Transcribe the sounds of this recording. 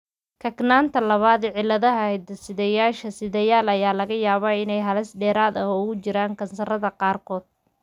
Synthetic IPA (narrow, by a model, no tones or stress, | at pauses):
kʰɐknaːnt̪ʰɐlɐβaːd̪ʕɪlːɐðɐɦɐhɛd̪ɐsɪðɛjaːʃɐsɪðɛjaːlɐjaːlɐɣɐjaːβɐɪnɛjɦɐlɛsɖɛːɾaːd̪ɐɦʊɣʊt͡ʃɪɾaːŋkʰɐnsɐrɐðɐqɑːrkʰɔːd̪̥